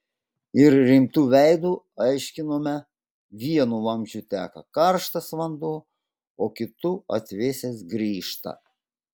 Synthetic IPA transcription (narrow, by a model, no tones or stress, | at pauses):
ɪɾɾʲɪmt̪uːʋʲɛɪd̪uː | ɐɪʃʲkʲɪnoːmʲɛ | ʋʲiɛnulˠɐmʲʒʲut̪ʲæːkɐ̰kɐɾʃt̪ɐsʋɐnd̪oː | oːkʲɪt̪uɐ̰t̪ʲʋʲeːsʲesɡɾʲiːʃt̪ɐ̰